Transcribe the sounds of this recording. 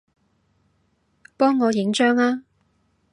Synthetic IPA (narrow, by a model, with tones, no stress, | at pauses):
pɔː˥ŋːɔː˨˧jɪ˨˥ŋt͡ʃœː˥ŋaː˥